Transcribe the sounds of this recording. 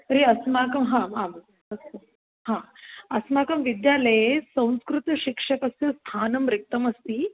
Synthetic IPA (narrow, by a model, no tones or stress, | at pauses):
ɾeːɐsmaːkɐmɦãːamɐ | ɐsɐ | hãːɐsmaːkɐmʋid̪jaːlɐjesɐ̃w̃skɾut̪ɐʃikʂɐkɐst̪jɐst̪ʰaːnɐmɾik̚t̪ɐmɐst̪i